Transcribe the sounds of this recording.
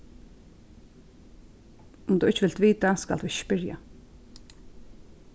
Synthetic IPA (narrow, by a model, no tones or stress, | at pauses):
ʊmt̪uɪt͡ʃːɪʋɪlt̪ʋiːt̪aska̰ld̪uɪt͡ʃːpɪɹja̰